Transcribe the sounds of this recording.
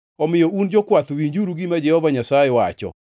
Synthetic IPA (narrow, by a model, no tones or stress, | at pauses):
ɔmɪjɔʔund͡ʒokwat̪wiɲd͡ʒuɾuɡimad͡ʒɛhɔvaɲasajɛwat͡ʃɔ̰